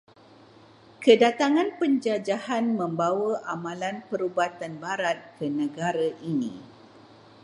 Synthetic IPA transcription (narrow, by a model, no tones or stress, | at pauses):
kədat̪aŋãnpəɲd͡ʒad͡ʒahanmə̃mbawəʔamãlanpəɾubat̪anbaɾat̪̚kənə̃ɡaɾaʔinḭ̃